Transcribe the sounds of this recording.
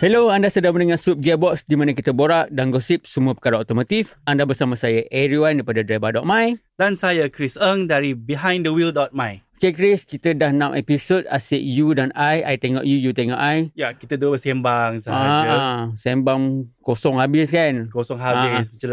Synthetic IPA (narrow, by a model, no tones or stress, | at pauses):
hɛloandasədamənəŋansup̚ɡɛbɔksdimanakit̪əboɾaʔdanɡɔsip̚səmuəpə̥kaɾaɔt̪ɔmãt̪if | andabərsamãsajaʔɛɾiwandijpadadɾabadɔʔ̚mãjd̥ansajakɾisəŋdaɾibiɦãj̃ndəwildɔt̚maj | kekɾiskit̪ədahnãmʔɛ̰pisod̚asɛʔjudanajajt̪ɛŋɔ̰ʔjujut̪ɛŋɔ̰ʔajjakit̪ədubəsɛ̃mbaŋsaa | sɛmbaŋkosɔŋhabɪskankosɔŋɦabɪs̬mət͡ʃa